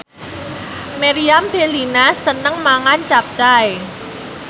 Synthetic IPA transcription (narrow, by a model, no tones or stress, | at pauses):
meɾiamb̥elinasənəŋmaŋant͡ʃap̚t͡ʃae